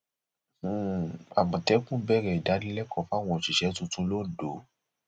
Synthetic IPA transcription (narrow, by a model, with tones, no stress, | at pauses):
a˨mɔ̃˨tɛ˨˦kũ˦bɛ˦˨ɾɛ˧˨i˨da˨˦nĩ˦lɛ˦kʰɔ̃˧fa˦w̃ɔ̃˧˨ʃi˨ʃɛ˨˦tũ˧tũ˧lo˦˨do˨˦